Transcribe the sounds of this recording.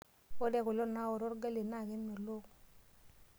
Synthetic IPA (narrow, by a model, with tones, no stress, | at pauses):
ko˦dɛ˦˨kʊ˨lɔ˦na˦o˨ɾɔ˦ɾɡa˦le˨na˦˨kɛ˦nmo˨lo˦˨k